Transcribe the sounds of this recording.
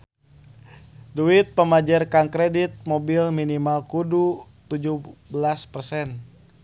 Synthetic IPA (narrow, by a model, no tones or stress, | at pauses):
duit̪̚pəmad͡ʒarkaŋkɾedit̪̚mobilminimalkudut̪ud͡ʒuhbəlaspərsɛn